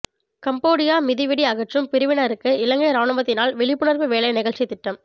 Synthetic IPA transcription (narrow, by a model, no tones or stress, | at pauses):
kɐmboːɽɪjaːmɪðɪʋɪɽiɐɣɐʈrɯmpɪɾɯʋɪɳɐɾɯkːɯɪlɐŋɡɐjɾaːɳɯʋɐt̪ːɪnaːlʋɛɭɪpːɯɳɐɾʋɯʋeːlɐjnɪɣɐɭʈt͡ʃːɪt̪ːɪʈːɐm